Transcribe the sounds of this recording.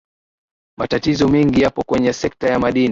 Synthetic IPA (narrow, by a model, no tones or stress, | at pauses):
matatizɔmɛŋɡijapɔkwɛɲɛsɛk̚tajamaɗini